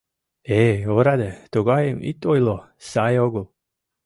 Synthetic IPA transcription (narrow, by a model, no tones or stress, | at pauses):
eoɾad̪et̪oɡajemḭt̪ojlo | sajoɡolˠ